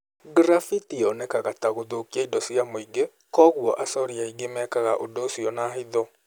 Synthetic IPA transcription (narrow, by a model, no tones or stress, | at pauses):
ɡɾafitiɔnɛkaɣataɣoðokiaidɔsiamoiɡe | kɔɣwɔʔasɔɾiaiɡemɛkaɣaʔodosiɔnaːɦiðɔ